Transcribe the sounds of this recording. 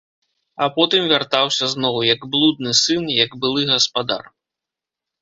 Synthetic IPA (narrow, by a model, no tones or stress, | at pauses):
apɔt̪ɨmvʲart̪awsʲɐznɔwjɐɡblˠud̪̚nɨsɨnjɐɡbɨlˠɨɣɐspad̪a̰r